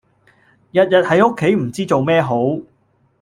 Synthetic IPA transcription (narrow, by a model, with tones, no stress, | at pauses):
jɐ˨t̚jɐ˨t̚hɐ˨˥jo˥kʰːe˨˥jm̩˨˩t͡siː˥t͡so˨wmɛː˥ɦo˨˥w